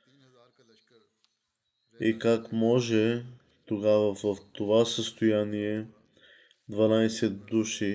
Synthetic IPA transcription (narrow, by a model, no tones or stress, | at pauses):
ikakmɔʒɛ | t̪oɡavɐvɐft̪ovasəst̪ojaniɛ | d̪vanajsɛt̪̚d̪uʃi